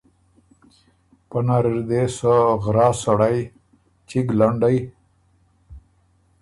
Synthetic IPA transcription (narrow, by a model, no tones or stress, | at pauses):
pənaɾiɾd̪esəɣɾaːsaɽaj | t͡ʃiɡlaɳɖaj